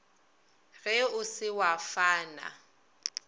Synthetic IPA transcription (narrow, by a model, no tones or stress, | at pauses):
ɣɛʊsɪwafaːna̰